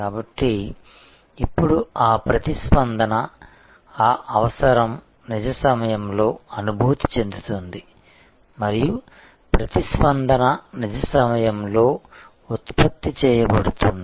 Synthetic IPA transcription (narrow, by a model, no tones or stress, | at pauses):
kaːbɐʈːiː | pːuɽuaːpɾɐt̪ispɐnd̪ʱɐnɐ | aːʔɐʋɐsɐɾɐm | nid͡ʒɐsɐmɐjɐmlo̞ːɐnubʱuːt̪i̥t͡ʃe̞nd̪ut̪und̪i | mɐɾiju | pɾɐt̪ispɐnd̪ʱɐnɐnid͡ʒɐsɐmɐjɐmlo̞ː | ut̪pɐt̪ːit͡ʃɛːjɐbɐɽut̪und̪i